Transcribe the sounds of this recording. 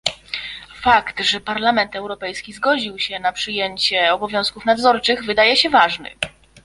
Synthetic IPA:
fakt̪ʐɛpaɾlamɛnt̪ɛwɾɔpɛjskʲizɡɔd͡ʑiwɕɛnapʂɘjeɲt͡ɕɛɔbɔvʲjɔ̃w̃skufnad̪zɔɾt͡ʂɘɣvɘd̪ajɛɕɛvaʐnɘ̰

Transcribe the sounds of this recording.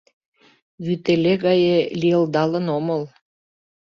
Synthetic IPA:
βyt̪eleɣɑjeliəld̪ɑlə̆noməl

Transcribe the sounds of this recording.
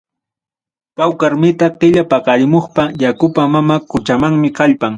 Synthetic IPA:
pawkaɾmɪt̪aqɪʎapɑqɑɾɪmoχpajakʊpamamakʊt͡ʃamaŋmɪkaʎpaŋ

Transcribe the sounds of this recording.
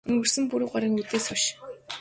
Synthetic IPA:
ɵŋɡɵ̆r̥sɘ̆mpuɾŭːɢaɾiːŋut̪eːsʊʃ

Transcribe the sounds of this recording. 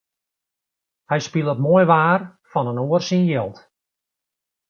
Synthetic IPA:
hɛjspilˠətmoəjʋaːrfɔnənoərsinjɛlˠt

